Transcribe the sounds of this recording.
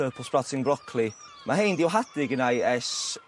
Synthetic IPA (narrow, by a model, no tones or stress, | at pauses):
əːpʰɔlˠsb̥ratʰɪŋbrɔkʰli | mʔaɦejndiwɦad̥ɪɡənajɛs